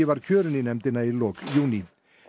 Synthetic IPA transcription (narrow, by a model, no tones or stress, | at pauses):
iʋaɾkʰøːɾʏninɛmt̪ɪnailɔːkjuːni